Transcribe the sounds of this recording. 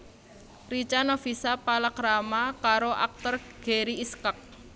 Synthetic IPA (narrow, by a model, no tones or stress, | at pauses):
rit͡ʃanɔfisapalakɾamakaɾoʔa̰k̚t̪ɔr | ɡ̥eɾiːskək̚